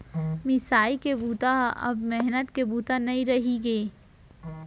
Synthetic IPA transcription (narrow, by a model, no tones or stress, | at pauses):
mɪsaːikebuːt̪aɐ̰bmɛɦnət̪kebuːt̪anɐĩɾɐɦiɡeː